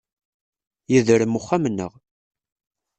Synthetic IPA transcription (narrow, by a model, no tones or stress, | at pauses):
jiðɾəmuχːæmnːə̰ʁ